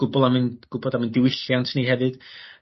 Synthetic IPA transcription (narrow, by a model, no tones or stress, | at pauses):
ɡ̥ʊbʊlˠamɨnɡ̥ʊbɔdamɨndɪwɪɬjantʰniːɦɛvɨd̥